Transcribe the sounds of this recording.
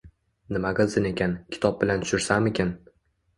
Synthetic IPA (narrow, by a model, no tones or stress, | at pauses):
nɪmaɡɨlˠsɪne̞kʲʰankʲʰɪ̥t̪ʰɒb̚bɪlant̪ʰʊ̥ʃɪɾsamekʲʰan